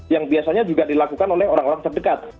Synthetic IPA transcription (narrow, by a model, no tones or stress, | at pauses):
jaŋbiasaɲad͡ʒuɡadilakukanolɛɦoɾaŋoɾaŋt̪ərdəkat̪̚